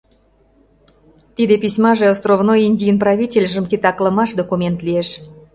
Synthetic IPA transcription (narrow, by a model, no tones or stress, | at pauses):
t̪id̪epʲisʲmɑʒeɑlst̪rovnojinʲdʲijnprɑβʲitʲelʲʒə̆mkit̪ɑkləmɑʃd̪okumʲent̪lieʃ